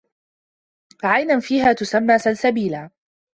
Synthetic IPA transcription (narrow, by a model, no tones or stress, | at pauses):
ʕajnanfiːɦaːt̪ʊsamːaːsalsabiːlaː